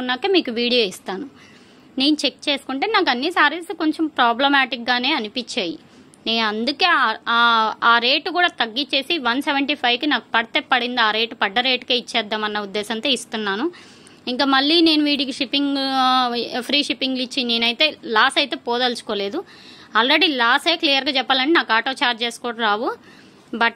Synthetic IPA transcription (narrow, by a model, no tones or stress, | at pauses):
kunːaːkeːmiːkuʋiːɽijo̞ːist̪aːnu | ne̞ːnut͡ʃekt͡ʃeːsu̥kuɳʈeːnaːk̬ɐnːisaːɾisko̞ɲt͡ʃempɾaːblɐmaːʈik̚ɡaːne̞ːɐnipit͡ʃːaːjḭ | ne̞ːnuɐnd̪uke̞ːaːaːɾe̞ːʈkuːɽaːt̪ɐɡːit͡ʃe̞ːsiʋɐnseʋɐɳʈiːpʰɐjʋkinaːku̥pɐɽɐt̪epːɐɽind̪iaːɾe̞ːʈupɐɖːɐɾe̞ːʈkeːit͡ʃːɛːd̪ːaːmɐnːɐud̪ːɛːsɐnt̪oːist̪unːaːnu | iŋkaːmɐɭːiːne̞ːnuʋiːɽikiʂipːiŋɡ | pʰɾiːʂipːiŋɡlit͡ʃːine̞ːnɐjt̪e̞ːlaːsɐjt̪e̞ːpɔːd̪ɐlt͡ʃu̥koːle̞ːd̪u | aːlɾe̞ɽiːlaːseklijɐɾɡaːt͡ʃɛpːaːlɐɳʈenaːkaːʈoːt͡ʃaːɾd͡ʒe̞ːsu̥kɔːɽɐɾaːʋu | bɐʈ